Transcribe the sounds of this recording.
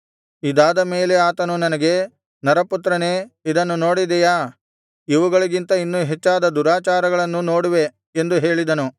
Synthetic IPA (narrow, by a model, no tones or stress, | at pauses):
id̪aːd̪ɐmeːle̞aːt̪ɐnunɐnɐɡe̞ | nɐɾɐput̪ɾɐneːid̪ɐnːuno̞ːɽid̪ɛjaː | iʋuɡɐɭiɡint̪ɐinːuɦet͡ʃːaːd̪ɐd̪uɾaːt͡ʃaːɾɐɡɐɭɐnːuno̞ːɽuʋe̞ | end̪uɦe̞ːɭid̪ɐnu